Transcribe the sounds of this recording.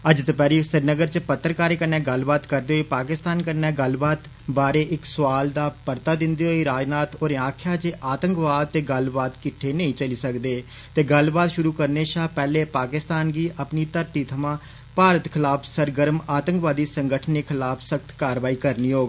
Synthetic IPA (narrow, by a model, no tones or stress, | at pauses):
əd͡ʒt̪əpɛːɾiːsəɾnəɡəɾt͡ʃəpət̪ːəɾkaːɾeːkənːɛ̃ːɡəlbaːt̪kəɾd̪eːɦoiːpaːkɪst̪aːnkənːɛːɡəlbaːt̪ | baːɾeːʔɪksʊʋaːld̪aːpəɾt̪aːd̪ɪnd̪iːɦoːiːɾaːd͡ʒnaːt̪oːɾẽːaːkʰjaːt͡ʃeʔaːt̪əŋkʋaːd̪̚t̪eːɡəlbaːt̪kɪʈʰːeːnəĩːt͡ʃəliːsəkd̪eː | t̪eːɡəlbaːt̪ʃʊɾuːkəɾneːʃaːpɛːleːpaːkɪst̪aːnɡiːʔəpniːt̪əɾt̪iːt̪ʰəmãː | paːɾət̪kʰɪlaːpʰsəɾɡəɾəmaːt̪əŋkʋaːd̪iːsəŋɡəʈʰneːkʰɪlaːpʰsək̚t̪ʰkaːɾʋaːiːkəɾniːɦoːɡ